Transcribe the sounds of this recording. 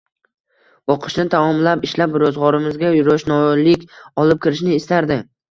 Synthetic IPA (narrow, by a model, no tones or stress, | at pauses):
oqʰɨ̥ʃnɪt̪ʰamɒmlapɪʃlapɾɒzʁɒɾɪmɪzɡʲajʊɾɒʃnɒlɪkʲɒlˠɪp̚kʲʰɪɾɪʃnɪːst̪aɾd̪ɪ